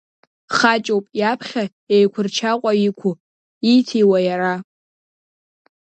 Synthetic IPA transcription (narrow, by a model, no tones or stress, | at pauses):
χat͡ʃʼowpʼjapʰχʲa | ejkʷʰʊrt͡ʃʰaqʷʼaikʷʰu | ijtʰijwajaɾa